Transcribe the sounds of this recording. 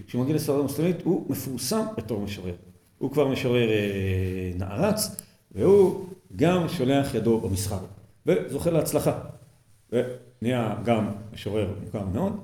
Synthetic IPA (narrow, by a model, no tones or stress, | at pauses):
kʃemaɡialesfaʁdamuslemit̪humefuʁsambe̞to̞χmeʃoʁe̞ʁ | hukvaʁmeʃoʁe̞ʁenaʔaʁat͡s | vehuɡamʃo̞le̞aχjado̞bamisχaʁ | ve̞zo̞χeleat͡slaχa | ve | niaɡammeʃoʁe̞ʁmukaʁmeo̞d